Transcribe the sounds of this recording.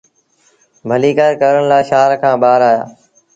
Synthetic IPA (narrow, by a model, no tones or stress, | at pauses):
bʱəliːkaːɾkəɾəɳlaːʃaːɾkʰãːbaːɾaːja̰ː